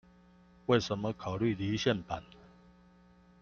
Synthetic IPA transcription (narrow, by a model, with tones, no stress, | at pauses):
we˥˨ɪʂə˨˧˦nmə˧kʰa˨˩ʊly˥˨li˨˦ɕjɛ˥˨npa˨˩˦n